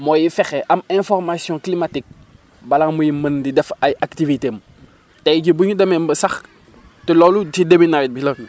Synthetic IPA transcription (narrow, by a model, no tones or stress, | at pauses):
mɔːjifɛxɛʔɐmɛ̃fɔrmasjɔ̃klimatik̚ | bɐlaŋmujiməndidɛfɐjaktivitem | tɛjɟibuɲudɐmɛmbəsɐx | tilɔlutidəbinaɾit̚bilo